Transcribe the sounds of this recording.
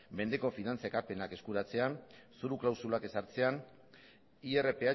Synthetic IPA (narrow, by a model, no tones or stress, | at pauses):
me̞nd̪e̞ko̞finant͡saekape̞nake̞skuɾat͡se̞ansuɾuklawsulake̞saɾt͡se̞an | iere̞pe̞a